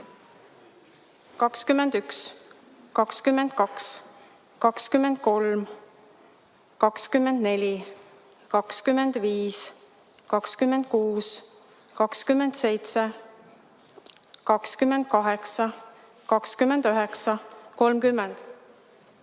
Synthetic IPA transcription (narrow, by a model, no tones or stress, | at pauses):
kɑkskymːend̪yks | kɑkskymːend̪̥kɑks | kɑkskymːend̪̥̚ko̞lm | kɑkskymːend̪ne̞lʲi | kɑkskymːe̞nd̪̥viːs | kɑkskymːend̪̥̚kuːskɑkskymːend̪̥se̞jt̪se | kɑkskymːend̪̥̚kɑɦe̞ksɑ | kɑkskymend̪̥øɦe̞ksɑko̞lmkymːend̪̥